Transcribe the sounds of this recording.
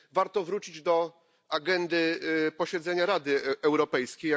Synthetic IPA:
vaɾt̪ɔvɾut͡ɕid͡ʑd̪ɔ | aɡɛnd̪ɘpɔɕɛd̪zɛɲaɾad̪ɘɛwɾɔpɛjskʲej

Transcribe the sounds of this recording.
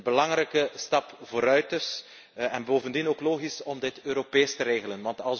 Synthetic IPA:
bəlɑŋɾɛjkəstɑpvoːɾœɥtɪs | ɛnboːvəndinoːkloːɣisɔmdɪtøːɾopeːstəɾeːɣələnʋɑntɑlˠs

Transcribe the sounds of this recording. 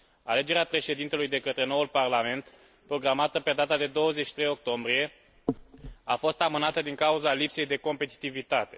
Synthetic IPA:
ale̞d͡ʒe̞ɾeapɾe̞ʃe̞d̪int̪e̞lujd̪e̞kət̪ɾe̞no̞ulparlame̞nt̪ | pɾo̞ɡɾamat̪əpe̞d̪at̪ad̪e̞d̪o̞wəzet͡ʃʃi̥t̪ɾejo̞k̚t̪o̞mbɾije̞ | afo̞st̪amɨnat̪əd̪iŋkauzalipse̞jd̪e̞ko̞mpe̞t̪i̥t̪ivit̪at̪e̞̥

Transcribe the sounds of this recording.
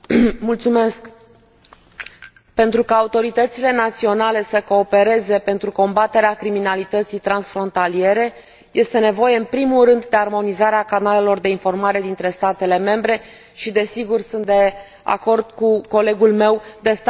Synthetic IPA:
mult̪sume̞sk | pe̞nt̪ɾukaːut̪o̞ɾit̪ət̪sile̞nat̪sio̞nale̞səko̞ːpe̞ɾe̞ze̞pe̞nt̪ɾuko̞mbat̪e̞ɾeakɾiminalit̪ət̪sijt̪ɾansfɾo̞nt̪alie̞ɾe̞ | je̞st̪e̞ne̞vo̞je̞ɨnpɾimulrɨnd̪d̪e̞armo̞nizaɾeakanale̞lo̞rd̪e̞info̞rmaɾe̞d̪int̪ɾe̞st̪at̪e̞le̞me̞mbɾe̞ | ʃid̪e̞siɡursunt̪̚d̪e̞ | a̰ko̞rd̪̚kuko̞le̞ɡulme̞wd̪e̞st̪

